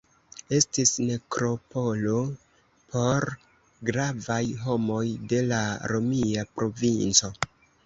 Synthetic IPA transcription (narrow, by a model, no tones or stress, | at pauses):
e̞stisme̞kɾo̞po̞lo̞ | pʰo̞ɾ | ɡɾavajɦo̞mo̞jde̞laɾo̞miapɾo̞vint͡so̞